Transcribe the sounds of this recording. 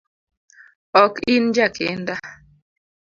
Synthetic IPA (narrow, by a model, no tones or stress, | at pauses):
ɔkin̩d͡ʒakʰen̩da